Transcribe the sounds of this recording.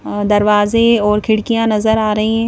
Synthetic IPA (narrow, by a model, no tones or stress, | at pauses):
d̪ɐɾʋaːzeɔːɾkʰɪɽkijãnɐzəɾaːɾɐɦĩɦɛ̃ː